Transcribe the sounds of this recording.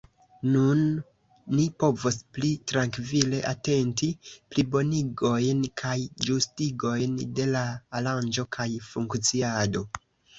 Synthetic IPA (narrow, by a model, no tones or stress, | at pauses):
nunː | ipo̞vosplitɾaŋkvile̞ʔate̞ntiplibo̞niɡo̞jnkʰajd͡ʒustiɡo̞jnde̞laːland͡ʒo̞kʰajfuŋkt͡siado̞